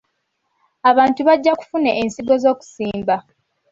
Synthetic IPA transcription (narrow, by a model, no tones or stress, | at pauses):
aβaːntuβaɟːaku̥funeʔensiɡo̞zo̞ːku̥siːmba